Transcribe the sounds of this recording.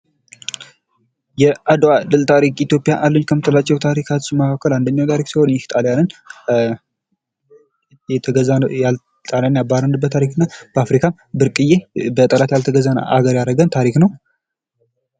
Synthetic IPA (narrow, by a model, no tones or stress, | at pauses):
jɛʔad̪wad̪ɨlt̪ʰaɾikit̪jo̞pʼijaʔalːəɲːkʰəmːɨt̪ʰəlat͡ʃːɛwt̪ʰaɾikʰat͡ʃmakakːəland̪əɲːawt̪ʰaɾiksiho̞njɛht̪ʼaljanɨn | ɛt̪ʰəɡəzajal | t̪ʼaljanjabaɾənɨbːət̪ʰːaɾikɨnːab̥əafɾikʰam | bɨɾkʼɨjebət̪ʼəlat̪jalt̪ʰəɡəzana̰ʔa̰ɡəɾjaɾəɡənt̪ʰaɾiknəw